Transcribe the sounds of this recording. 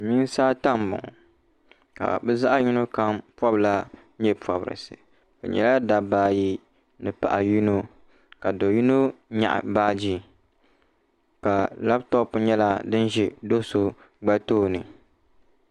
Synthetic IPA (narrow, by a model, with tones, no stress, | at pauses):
mi˦n˦saː˦ta˦m˨bʊ̰˨ŋɔ̰˨ | ka̰˨bɛ˦za˦ʔa˦ju˦no˦ka˦mpwɔ˦bla˦ | ɲɛ˦pɔ˨bɨ̰˨ɾɨ̰˨sɨ̰˨ | bɨ̰˨ɲɛ̰˨la˦da˨baː˦ji˦ | nɨ˨pa̰˨ʔa˨ju˦no˦ | ka˨do˨ju˦no˦ɲa̰˨ʔa̰˨baː˦d͡ʒi˦ | ka˨la˦btɔ˦pu˦ɲɛ˦la˦dɨ˦nʒi˨do˦so˦ | ɡ͡ba˦toː˦nɨ˨